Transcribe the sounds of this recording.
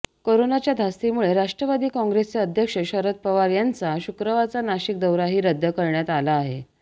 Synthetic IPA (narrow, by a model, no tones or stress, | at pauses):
koɾonat͡ɕjad̪ʱast̪imuɭeɾaʂʈɾəʋad̪iːkɔ̃ŋɡɾest͡seəd̪ʱjəkʂəɕəɾət̪̚pəʋaɾjant͡saɕukɾəʋat͡sanaɕik̚d̪əwɾaɦiːɾəd̪ʱːjəkəɾɳjat̪alaːɦe